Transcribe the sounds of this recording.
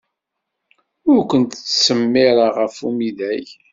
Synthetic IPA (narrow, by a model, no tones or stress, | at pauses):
ʊɾkʷənt̪t͡sːsəmːɪɾaʁəfumiðæj